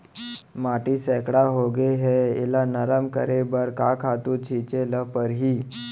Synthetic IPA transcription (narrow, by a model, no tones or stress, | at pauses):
maʈiːsɛkɽaɦoɡeɦeḛlanəɾəmkəɾebəɾkakʰat̪uːt͡ɕʰit͡ɕeləpəɾɦiː